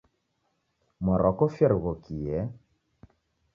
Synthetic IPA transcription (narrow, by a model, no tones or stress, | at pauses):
mɔɾʔɔkɔfjɛɾɣɔkijɛ